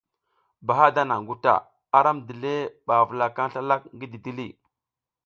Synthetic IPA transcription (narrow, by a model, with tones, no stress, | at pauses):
ba˨ɦa˦da˦na˨ŋ˨ɡu˦ta̰˨ | a˦ɾa˦mdi˨le˦ɓa˨və˨la˨ka˦n˦ɬa˦la˦k̚ŋɡi˦di˨di˦lḭ˦˨